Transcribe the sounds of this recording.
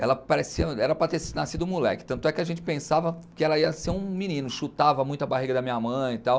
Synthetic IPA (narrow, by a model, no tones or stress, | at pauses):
ɛlɐpaɾesiɐɛɾɐpɾɐt̪eɾsɪnasid̪ʊ̃mulɛ̰kɪ̥t̪ɐ̃t̪ʊɛkɪaʒẽnt͡ʃɪ̥pẽsavɐkɪɛlɐiɐseɾũminĩnʊʃut̪avɐmũj̃t̪ʊɐbaɦiɡɐd̪ɐmĩɲɐmɐ̃j̃it̪aw